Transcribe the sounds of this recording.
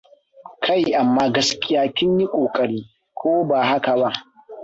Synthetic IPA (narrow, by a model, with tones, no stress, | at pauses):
kʰa˦˨jʔa˨mːaː˦ɡɐ˨skʲʼɪ˦jaː˨tʲɪ˦nːi˦kʷʼoː˨kʼɐ˨ɽiː˦ | kʷoː˦baː˨ɦa˦ka˨ba˦ʔ